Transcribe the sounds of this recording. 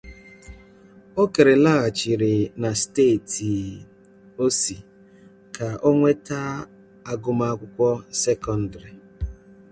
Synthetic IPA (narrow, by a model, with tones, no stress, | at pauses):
o˦ke˨ɾe˨la˦a˨t͡ʃi˨ɾɪ˨na˨ste˦˨ti˨ | o˦si˨ | kʰa˨ʔo˦ŋʷe˦ta˦ | a˦ɡʊ˦ma˦a˦kʷʊ˦kʷɔ˦se˦kɔ˦n̩˨da˨ɾi˨